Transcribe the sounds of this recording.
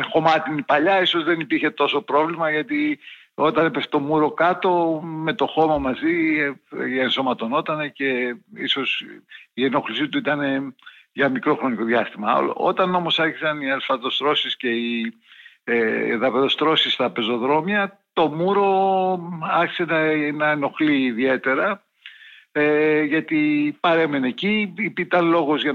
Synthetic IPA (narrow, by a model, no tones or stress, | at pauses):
xo̞mɐt̪inipɐʎɐiso̞zðe̞nipiɾçe̞t̪o̞so̞pɾo̞vlimɐʝɐt̪i | o̞t̪ɐnepeft̪o̞muɾo̞kɐt̪o̞me̞t̪o̞xo̞mɐmɐzi | enso̞mɐt̪o̞no̞t̪ɐnece̞iso̞sienoxlisit̪uit̪ɐne̞ | ʝɐmikɾo̞xɾo̞niko̞ðjɐst̪imɐo̰l̰o̞t̪ɐno̞mosɐɾçisɐniɐlfɐðo̞st̪ɾo̞sisce̞i | ðɐpeðo̞st̪ɾo̞sist̪ɾɐpe̞zo̞ðɾo̞mjɐt̪o̞muɾo̞ | ɐɾçi̥senɐenɐeno̞xliːðie̞t̪e̞ɾɐ | eʝɐt̪ipɐɾe̞mene̞ciipit̪ɐnlo̞ɣo̞zʝɐ